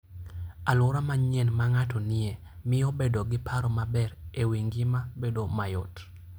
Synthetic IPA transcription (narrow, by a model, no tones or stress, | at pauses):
alʊɾamaɲɛnmaŋatɔnɪe | mɪobedoɡɪpʰaɾɔmabɛrewiŋɡɪmabedomajɔ̰t